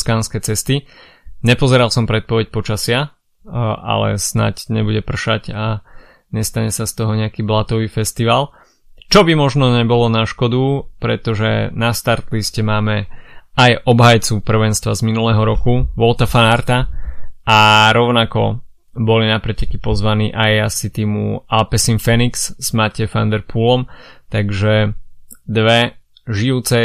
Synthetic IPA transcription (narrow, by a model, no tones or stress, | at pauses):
skaːnskɛːt͡sɛst̪i | ɲɛpɔzɛɾalsɔmpɾɛt̪̚pɔʋɛc̚pɔt͡ʃasɪa | a̰lɛ̰sna̰cɲɛbuɟɛpr̩ʃaɟa | ɲɛst̪aɲɛsast̪ɔɦɔɲɛakiːblat̪ɔʋiːfɛst̪iʋaːl | t͡ʃɔbimɔʒnɔɲɛbɔlɔnaʃkɔd̪upɾɛt̪ɔʒɛnast̪aɾt̪liscɛmaːmɛajʔɔbɦajt͡supr̩ʋɛnst̪ʋazminulɛːɦɔɾɔkuʋɔlt̪afanaɾt̪aʔaɾɔʊnakɔ̰ | bɔlinapɾɛcɛkipɔzʋaniːʔajasit̪iːmṵalpɛsinfɛniksz̥macɛfa̰nd̪ɛɾpulɔmt̪aɡʒɛ | d̪ʋɛ | ʒiuːt͡sɛ